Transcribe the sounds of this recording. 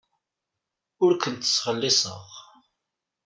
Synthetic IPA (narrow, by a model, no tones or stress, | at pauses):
ʊɾkənt̪ə̥sʁəlːɪsə̰ʁ